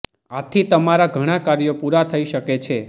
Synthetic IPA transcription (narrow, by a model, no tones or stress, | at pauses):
at̪ʰit̪əmaɾaɡʱəɽ̃akaɾjopuɾat̪ʰəiʃəket͡ʃʰe